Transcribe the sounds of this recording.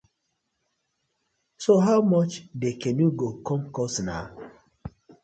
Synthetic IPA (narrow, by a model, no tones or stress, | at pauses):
soɦaʊmɔt͡ʃdekɛ̃njuɡokʰɔ̃mkɔsna̰